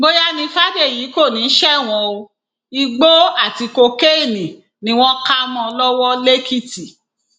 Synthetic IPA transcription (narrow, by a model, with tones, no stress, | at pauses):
ɡ͡bo˦ja˦nĩ˧fa˦ɡe˦˨jiː˨˦ko˦˨nĩ˨˦ʃɛ˦˨w̃ɔ̃˧o˧ | i˧ɡ͡bo˦a˦˨ti˧ko˧ke˦e˦˨nĩ˨ | nĩ˧˦w̃ɔ̃˦ka˦mɔ̃˧lɔ˦wɔ˦le˦ki˦˨ti˨